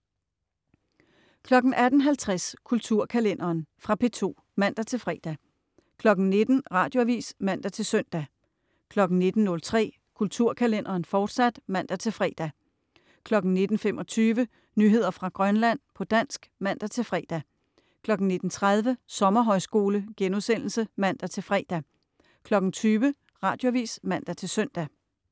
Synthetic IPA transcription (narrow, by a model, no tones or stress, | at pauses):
kʰlɒ̽ɡ̥n̩æd̥n̩ɦælt͡sʰʁaskʰult͡sʰuɐ̰kʰælen̰ɐːnfʁɑ̈pʰe̝t͡sʰo̝̰ː | mæn̰d̥æt͡sʰe̝lfʁɛ̰ːd̥æ | kʰlɒ̽ɡ̥n̩ne̝d̥n̩ʁɑ̈ːd̥jo̝æʋḭːsmæn̰d̥æt͡sʰe̝lsœn̰d̥æ | kʰlɒ̽ɡ̥n̩ne̝d̥n̩nɔ̽lt͡sʰʁɛ̰ː | kʰult͡sʰuɐ̰kʰælen̰ʔɐːn̩fɒːd̥sæd̥mæn̰d̥æt͡sʰe̝lfʁɛ̰d̥æ | kʰlɒ̽ɡ̥n̩ne̝d̥n̩femʔɒ̽t͡sʰyːʋə | nyːɦe̝ð̞̰ˠɐfʁɑ̈ɡ̥ʁɶnlæn̰pʰɒ̽d̥æn̰sɡ̥mæn̰d̥æt͡sʰe̝lfʁɛ̰ːd̥æ | kʰlɒ̽ɡ̥n̩ne̝d̥n̩t͡sʰʁað̞ˠʋəsɒ̽mɐɦɒ̽ɪsɡ̥o̝ːləɡ̥enuðˠsen̰l̩səmæn̰d̥æt͡sʰe̝lfʁɛ̰ːd̥æ | kʰlɒ̽ɡ̥n̩t͡sʰyːʋə | ʁɑ̈ːd̥jo̝æʋḭːsmæn̰d̥æt͡sʰe̝lsœn̰d̥æ